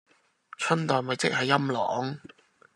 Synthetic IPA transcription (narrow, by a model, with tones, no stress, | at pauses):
t͡ʃʰɵ˥nt̪ɔː˨jmɐ˨˧jt͡sɪ˥k̚hɐ˨jːɐ˥mlɔ̰ː˨˥ŋ